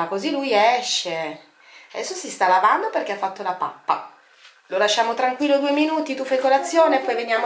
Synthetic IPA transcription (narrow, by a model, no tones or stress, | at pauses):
kozilujɛʃːe | ad̪ɛsːosist̪alavand̪operk̟eafːat̪ːolapapːa | lolaʃːaːmot̪ɾaŋkwilːod̪ueminuːt̪it̪ufajkolat̪sːjoːneːpːɔjvenjaːm